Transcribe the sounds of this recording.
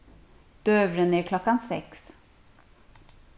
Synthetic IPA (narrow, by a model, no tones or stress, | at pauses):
d̪̥øːʋɾənəikʰlɔkːansɛ̰ks